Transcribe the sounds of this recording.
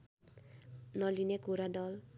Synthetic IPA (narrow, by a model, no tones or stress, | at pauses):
nʌlineɡoɾadʌl